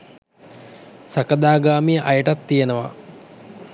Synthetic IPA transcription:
sakəd̪aːɡaːmijəʔajəʈat̪ːijenəʋa̰

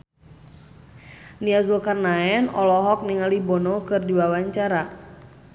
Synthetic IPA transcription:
niazulkarnaɛnɔlɔɦɔk̚niŋalibɔnɔkɨrdiwawaɲt͡ʃaɾa

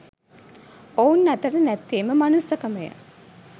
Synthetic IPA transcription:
ounːæt̪əɾənæt̪ːeːməmanusɐkəməjə̰

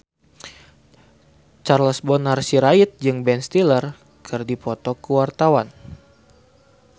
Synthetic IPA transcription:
t͡ʃarlɔsbɔnarsiɾait̪̚d͡ʒɨŋbɛnst̪ilər | kʰɨrdipɔt̪ɔkuwart̪awan

